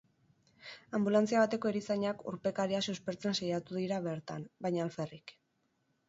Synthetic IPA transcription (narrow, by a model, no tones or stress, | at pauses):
ambulant͡siaβat̪e̞ko̞eɾisaɲakṵɾpe̞kaɾiasewspe̞ɾt͡se̞nsajat̪uðiɾaβe̞ɾt̪a̰nbajɲaːlfe̞rik